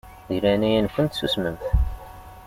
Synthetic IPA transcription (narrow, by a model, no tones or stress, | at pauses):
ðilænæjænkʷənt̪susməmθ